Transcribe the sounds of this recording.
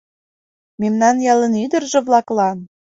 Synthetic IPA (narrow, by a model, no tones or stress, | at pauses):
memnɑnjɑlənyd̪ə̆rʒɤ̆βlɑklɑn